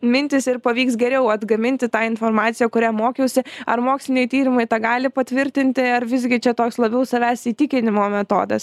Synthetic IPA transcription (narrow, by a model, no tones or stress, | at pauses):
mʲɪnʲt̪ʲɪsɪɾpɐʋʲiːksɡʲɛɾʲɛʊɐd̪ɡɐmʲɪnʲt̪ʲɪt̪ɑːɪnfoːɾmɑːt̪sʲɪjɛːkʊɾʲæːmoːkʲɛʊsʲɪɐɾmoːksʲlʲɪnʲɛɪt̪ʲiːɾʲɪmɐɪt̪ɑːɡɑːlʲɪpɐt̪ʲʋʲɪɾʲt̪ʲɪnʲt̪ʲɪɐɾʋʲɪzɡʲɪt͡ʃʲɛt̪oːkslˠɐbʲɛʊsɐʋʲæːsiːt̪ʲɪkʲɪnʲɪmoːmʲɛt̪o̰ːd̪ɐ̰s